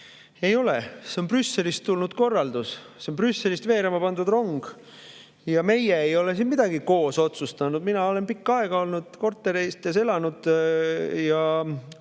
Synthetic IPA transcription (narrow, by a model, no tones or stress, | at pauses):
e̞jo̞lese̞o̞nprysːe̞list̪ːulnud̪̥ko̞rːɑld̪̥usseonprysːe̞list̪ve̞ːɾemɑpɑnd̪ud̪ro̞ŋɡ̥ | jɑme̞jeːjo̞le̞sinmid̪̥ɑɡ̥iko̞ːso̞t̪sust̪ɑnud̪minɑo̞le̞npikːɑe̞ɡ̥ɑo̞lnud̪̥ko̞rt̪ˑːe̞ɾiest̪ːese̞lɑnud̪̥ | jɑ